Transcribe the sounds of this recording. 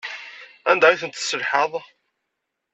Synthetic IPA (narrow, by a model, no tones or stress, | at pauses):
ænd̪æiθənt̪sːəlħəðˤ